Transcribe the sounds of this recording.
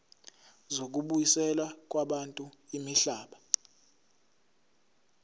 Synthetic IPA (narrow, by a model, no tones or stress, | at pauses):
zok̬uɓujisɛlak̬ʼwaɓantʼuimiɬaːɓa